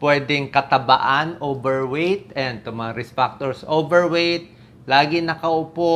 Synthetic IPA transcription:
pwɛːd̪ɪŋkɐt̪ɐba̰ʔanʔoːbɛɹwejt̪̚ɛnd̪̚t̪ʊmɐŋaɾɛspak̚t̪oɹsʔobɛɹwejt̪̚ | laːɡɪnɐkɐʔʊpo

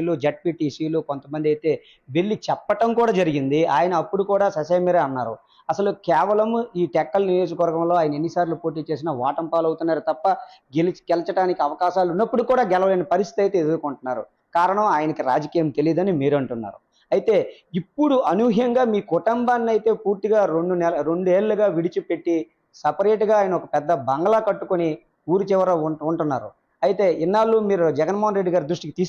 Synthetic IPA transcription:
luːd͡ʒeʈ̚piːʈiːsiːluːkont̪ɐmɐnd̪iɐjt̪e̞ː | ʋeɭːit͡ʃɛpːɐʈɐmkuːɽaːd͡ʒɐɾiɡind̪iaːjɐnɐːpːuɽukuːɽaːsɐsɐjmiːɾɐɐnːaːɾṵ | ɐsɐlukɛːʋɐlɐmiːʈɛkːɐlnijo̞ːd͡ʒɐkɐʋɐɾɡɐmloaːjɐnɐe̞nːisaːɾlupo̞ːʈ̬iːt͡ʃe̞ːs̬inɐʋaːʈɐmpaːlɐwut̪unːaːɾut̪ɐpːɐɡelɡɛlɐt͡ʃɐʈaːnikiɐʋɐkaːʃaːlunːɐpːuɽukuːɽaːɡɛlɐʋɐleːnɐpɐɾis̬t̪ʰit̪ɐjt̪e̞ːed̪uɾukoɳʈunːaːɾṵ | kaːɾɐɳɐmaːjɐnɐkiɾa̰ːd͡ʒɐkiːjɐmt̪e̞liːd̪ɐnimiːɾɐɳʈunːa̰ːɾu | ɐjit̪e̞ːipːuɽuɐnuɦjɐŋɡaːmiːkɔʈɐmbaːnːɐjit̪e̞ːpuːɾt̪iɡaːɾoɳɖunɛlɾo̞ɳɖueːɭːuɡaːʋiɽit͡ʃupe̞ʈːi | sɐpɐɾeːʈɡaːjɐnɐɔkɐpɛd̪ːɐbɐŋɡɐlaːkɐʈːukoni | uːɾut͡ʃɛʋɐɾɐuɳʈunːaːɾṵ | ɐjit̪e̞ːʔinːaːlːuːmiːɾud͡ʒɛɡɐnmɔːɦɐnɾe̞ɖːiɡaːɾid̪ɾuʂʈikit̪iː

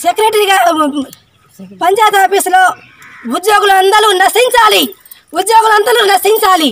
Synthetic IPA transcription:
sekɐɾeʈɐɾiɡaː | pɐɲt͡ʃaːjt̪aːpisloː | ud̪joːɡuluɐnd̪ɐlunɐsiɲt͡ʃaːli | ud̪joːɡulɐnd̪ɐluːnɐsiɲt͡ʃaːli

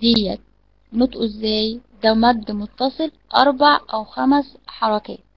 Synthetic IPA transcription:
d̪ɪjːæ | not̪ʔzːæːjd̪æwmæd̪ːmʊt̪ːɑsˤɨlʔɑɾˤbaʕʔæwxæmsħɑɾˤɑkæː

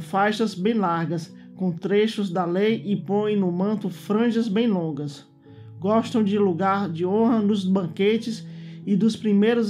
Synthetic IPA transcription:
fajʃɐzbẽj̃laɾɡɐs | kõw̃t̪ɾeʃʊzd̪ɐlejʔɪpõjẽnʊmɐ̃nt̪ʊfɾɐ̃ʒɐzbẽj̃lõɡɐs | ɡɔʃt̪ɐ̃w̃d͡ʒɪluɡaɾd͡ʒɪõɦɐnʊzbɐ̃ket͡ʃɪsɪd̪ʊspɾimejɾʊz

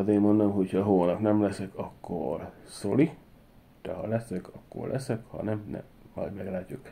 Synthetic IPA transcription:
d̪eːmmond̪omɦo̞chɒɦoːnɒknɛmlɛsɛkɒkːo̰rsoli | d̪̥ɛhɒlɛsɛkɒkːo̰rlʔɛsɛkhɒ̰nɛmnɛ̰mːɒ̰dmɛɡlaːcːuk

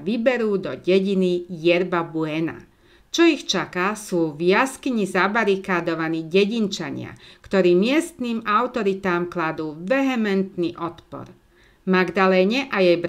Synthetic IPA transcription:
ʋibɛɾuːd̪ɔɟɛɟinijɛɾbabuɛna̰ | t͡ʃɔixt͡ʃakasuːvjaskiɲizabaɾikaːd̪ɔʋaniːɟɛɟint͡ʃa̰ɲɪa̰kt̪ɔɾiːmɪɛst̪niːmaʊt̪ɔɾit̪aːmklad̪uːʋɛɦɛmɛnt̪niːʔɔt̪pɔ̰ɾ | maɡd̪alɛːɲɛʔajɛjbɾ

